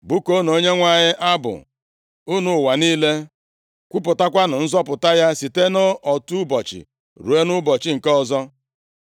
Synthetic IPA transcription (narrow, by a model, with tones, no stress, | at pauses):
bʊ˨˦ko˦no˨o˦ɲe˦ŋʷa˨ɲɪ˦ʔa˦bʊ̰˨ | u˦nu˨wa˨niː˦le˦ | kʷu˦p̬ʊ˨ta˦kʷa˦nʊ˨n̩˦zɔ˦pʊ˨ta˦ja˦si˨te˦no˦ɔ˨tu˦bɔ˨t͡ʃɪ̰˨ | ɾu˨e˦nʊ˦bɔ˨t͡ʃɪ˦ŋ̩˨kɔ˦zɔ˦